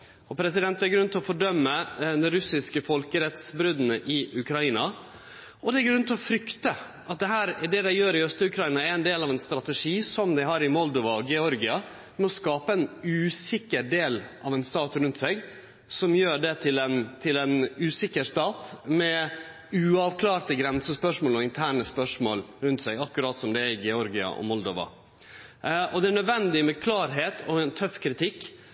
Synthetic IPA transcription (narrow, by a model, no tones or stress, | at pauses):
ɔpʰɾɛsɪd̪ɛnt̪ːæɾɡɾʉnt̪ɪlɔfɔɖœmːəd̪ɛɾʉsɪskəfɔlkəɾɛt̪sbɾʉd̪nəʔɪʔʉkʰɾɑiːnɑ | ɔd̪ɛæɾɡɾʉnt̪ʰlɔfɾʏkt̪ə | ʔɑt̪̚d̪ɛɦæːɾd̪ɛd̪æɪjøːɾɪœst̪əʉkʰɾɑiːnɑæɾæɛnd̪eːlɑʋɛnst̪ɾɑt̪ɛʂiːsɔmd̪æɪhɑːɾɪmɔld̪ɔʋɑɔɡɛɔɾɡɪɑ | mɛɔskɑːpəɛnʉːsɪkːəɾɖeːlʔɑʋɛnst̪ɑːt̪ɾʉnt̪sɛɡ | sɔmjøːɖɛt̪ʰɪlɛnt̪ʰɪlɛnʉːsɪkːəɾst̪ɑːt̪mɛ | ʉːɑʋkʰlɑːɾt̪əɡɾɛnsəspœʂmoːlɔɪnt̪ʰæːɳəspœʂmo̰ːlɾʉnt̪sɛɡɑkːʉɾɑːt̪sɔmd̪ɛːɾɪɡɛɔɾɡɪɑ̰ʔɔ̰mɔld̪oːʋɑ̰ | ɔd̪ɛæɳœd̪ʋɛnd̪ɪmɛkʰlɑːɾɦeːt̪ʰɔɛnt̪ʰœfːkʰɾɪt̪ʰɪkː